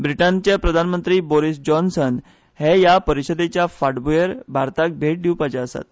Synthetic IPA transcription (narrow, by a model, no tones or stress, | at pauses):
bɾiʈant͡ɕjapɾəd̪ʱanmənt̪ɾiːboɾisd͡ʑɔnsən | hejapəɾiɕəd̪et͡ɕjafaʈbujəɾbʱaɾt̪ak̚bʱeʈ̚ɖiwpat͡ɕaəsa̰t̪̚